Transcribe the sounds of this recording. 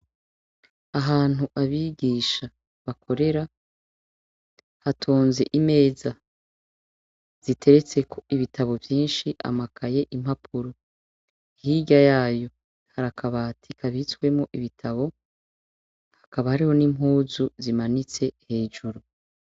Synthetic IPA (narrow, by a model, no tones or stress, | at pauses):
aɦaːn̥uʔaβiːɡiːʃa | βakʰo̞ɾe̞ɾa | hatʰoːnze̞ʔime̞ːza | z̥itʰe̞ɾe̞t͡se̞kʰo̞iβitʰaβo̞vjiːnʃiʔa̰makʰaje̞ʔim̥hapʰuɾo | ihiɟajaːjo̞ | haɾakaβatʰikʰaβit͡swe̞muʔiβitʰaβo̞ | hakaβahaɾiho̞nimɦuːzuzimanit͡sehe̞ːʒuɾu